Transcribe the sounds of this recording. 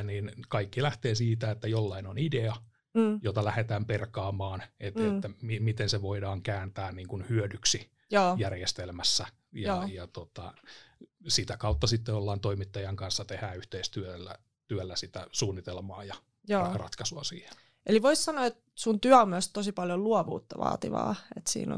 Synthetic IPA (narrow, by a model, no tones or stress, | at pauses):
niːnkɑikːilæht̪eːsiːt̪æet̪ːæjolːɑinonideɑ | jot̪ɑlæhet̪æːmperkɑːmɑːnet̪et̪ːæmimit̪enseʋoidɑːŋkæːnt̪æːnniːŋkunhyødyksi | joːjærjest̪elmæsːæ | jɑjɑt̪ot̪ɑ̰ | sit̪ækɑut̪ːɑsit̪ːeolːɑːnt̪oimit̪ːɑjɑŋkɑnsːɑt̪ehæyht̪eist̪yølːæ̰ | t̪yælːæsit̪æsuːnːit̪elmɑːjɑ | joːrɑ̰t̪kɑsuɑsḭːhe̥n | ʔeliʋoissɑnoet̪ | sunt̪yæommøst̪osipɑljolluɑʋṵːt̪ːɑʋɑ̰ːt̪ḭʋɑ̰ːet̪sḭːno̰